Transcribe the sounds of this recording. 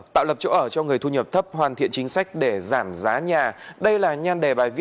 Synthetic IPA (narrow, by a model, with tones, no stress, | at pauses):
t̪a̰ː˧˨wlə˨˩p̚t͡ɕo̰˧˦ʔəː˧˩t͡ɕɔ˧ŋɨ˨˩əjt̪ʰu˧ɲə˨˩p̚t̪ʰə˦˥p̚ɦwaː˨˩nt̪ʰḭ˧˨ənt͡ɕï˨˦ŋ̟sa˦˥jk̟̚ɗe˧˩zaː˧˩mzaː˨˦ɲaː˨˩ɗə˧jlaː˨˩ɲaː˧nɗe˨˩ɓaː˨˩jvi˧˥